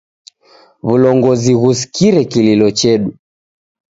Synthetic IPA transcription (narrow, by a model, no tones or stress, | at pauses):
βulɔŋɡɔziɣusi̥kiɾɛkililɔt͡ʃɛɗu